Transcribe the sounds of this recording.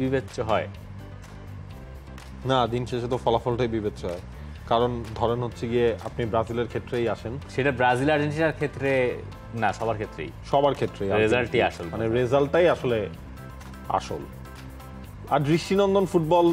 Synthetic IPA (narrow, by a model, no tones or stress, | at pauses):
bibetːɕoɦɔe | nad̪inʃeʃet̪̬ofɔlafɔlʈajbibetːɕoɦɔe | kaɾond̪ʱɔɾenɦotːɕʰeɡieʔa̰pnibɾazileɾkʰet̪ːɾejaʃenʃeʈabɾazilaɾd͡ʑenʈinaɾkʰet̪ːɾe | naʃɔbaɾkʰet̪ːɾḛjʃɔbaɾkʰet̪ːɾejaɾezalʈajaʃolmaaneɾezalʈajaʃole | a̰ʃol | aɾbɾiʃʈinɔnd̪onfuʈ̚bɔl